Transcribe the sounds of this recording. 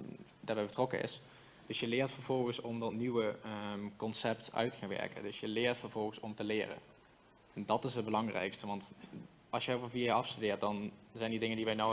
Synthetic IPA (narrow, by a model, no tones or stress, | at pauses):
daːɹbɛjbətrɔkə̰ʔɪ̰s | d̥ɵsjəlɪːɹtfəɹv̥ɔlˠɣəsɔmdɑtniʋəkɔnsɛptœ̰ɥtə̥xanʋɛ̰ɹkə̰ndɵsjəlɪːɹtfəɹv̥ɔlˠɣəsɔmtəlɪːrə̰ | ndɑtɪsɦəd̚bəlɑŋrɛ̰jkstəʋɑnt | ɑlˠsjəovəvidoɑfstydɪːɹt̚dɑnzɛjndidɪŋəndiʋɛjno